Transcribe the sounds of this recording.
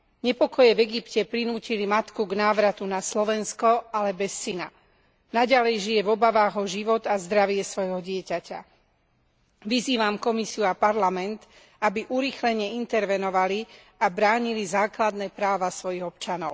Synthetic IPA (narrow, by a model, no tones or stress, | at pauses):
ɲɛpɔkɔjɛvɛɡipcɛpɾinuːcilimat̪kuɡnaːʋɾat̪unaslɔʋɛnskɔalɛbɛsːina̰ | naɟalɛjʒijɛvɔbaʋaːɣɔʒiʋɔt̪azd̪ɾaʋɪɛsʋɔjɦɔɟɪɛcaca̰ | ʋiziːʋamkɔmisiuapaɾlamɛnt̪ | abiʔuɾixlɛɲɛint̪ɛɾʋɛnɔʋali | abɾaːɲilizaːklad̪nɛːpɾaːʋasʋɔjiɣɔp̚t͡ʃanɔʊ